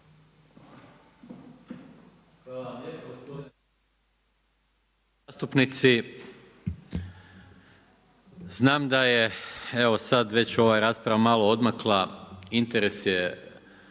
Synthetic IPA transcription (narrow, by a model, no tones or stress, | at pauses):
ʋalamʎepos | ast̪upnit̪si | znaːmd̪aje̞e̞ʋo̞sad̪ʋe̞t͡ɕo̞ʋaːjɾaːspɾaʋamalˠoo̞d̪maklˠaint̪eɾe̞sje